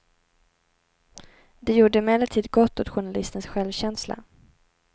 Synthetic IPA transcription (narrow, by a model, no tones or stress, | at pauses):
d̪ɛjuːɖəmɛlːət̪ʰiːd̪ɡɔt̪ːot̪ɧʊɳalɪst̪ənsɧɛlvɕɛnsla̰